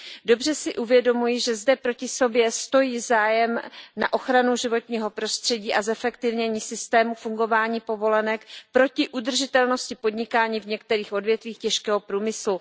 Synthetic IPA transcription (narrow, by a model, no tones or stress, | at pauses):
do̞br̝ɛsɪʔuvjɛdo̞mujɪʒɛzdɛpɾo̞cɪso̞bjɛst̪o̞jiːzaːjɛmna̰ʔo̞xɾanuʒɪvo̞t̪ɲiːɦo̞pɾo̞st̪r̥ɛɟiːʔazɛfɛkt̪ɪvɲɛɲiːsɪst̪ɛːmufuŋɡo̞vaːɲiːpo̞vo̞lɛnɛkpɾo̞cɪʔud̪r̩ʒɪt̪ɛlno̞scɪpo̞dɲɪkaːɲiːvɲɛk̚t̪ɛɾiːxʔo̞dvjɛt̪viːxcɛʃkɛːɦo̞pɾuːmɪslu